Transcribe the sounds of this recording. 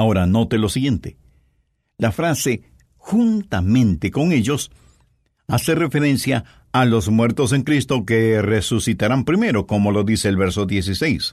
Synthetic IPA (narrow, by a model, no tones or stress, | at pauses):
ao̞ɾano̞t̪elo̞siɣje̞nt̪e | lafɾase̞ | xunt̪amẽ̞nt̪eko̞ŋe̞ʝo̞s | ase̞re̞fe̞ɾe̞nsjaː | lo̞zmweɾt̪o̞s̬e̞ŋkɾist̪o̞keresusit̪aɾampɾime̞ɾo̞ko̞mo̞lo̞ðise̞ːlβe̞ɾso̞ðje̞s̬isejs